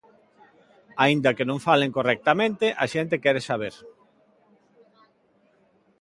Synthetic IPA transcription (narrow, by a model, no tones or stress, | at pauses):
aind̪ɐkenõŋfaleŋkorɛk̚t̪amẽnt̪ɪʔaʃent̪ekɛɾesaβ̞eɾ